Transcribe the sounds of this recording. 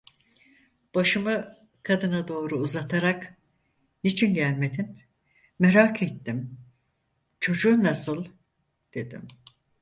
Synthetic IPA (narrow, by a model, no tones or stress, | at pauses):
b̥aʃɯmɯ | kʰad̪ɯnad̪o̞ːɾuːzat̪ʰaɾak | nit͡ʃʰinɟælʲmed̪in | meɾakʰet̪ːim | t͡ʃʰo̞d͡ʒuːnasɯlˠ | d̪̥e̞d̪ḭm